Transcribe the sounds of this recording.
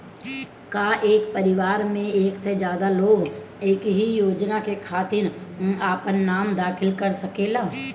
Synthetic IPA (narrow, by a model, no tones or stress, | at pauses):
kaʔeːkpɐɾɪʋaːɾmẽeːksed͡ʒjaːd̪aloːɡ | eːkɦijoːd͡ʒnakekʰaːt̪ɪɾaːpənːaːmd̪aːkʰɪlkɐɾsɐkelaː